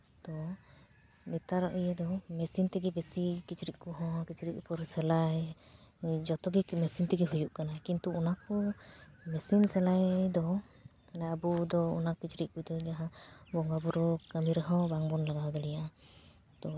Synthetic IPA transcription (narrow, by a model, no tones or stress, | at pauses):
t̪ɔ | nit̪aɾɔʔujɛd̪ɔmɛsint̪ɛɡɛbɛsikit͡ʃɾiʔ̚kuɦɔ̃kit͡ʃɾiʔ̚pɔɾsɛlaj | d͡ʒɔt̪ɔɡimɛsint̪ɛɡɛɦujuʔkanakint̪uunakɔ | mɛsinsɛlajd̪ɔ | kanaabud̪ɔṵnakit͡ʃɾiʔ̚kujd̪ɔd͡ʒaɦãbɔŋɡabuɾɔkəmiɾəɦɔ̃baŋbɔnlaɡaɦɔd̪ɔlɛjaʔa | t̪ɔ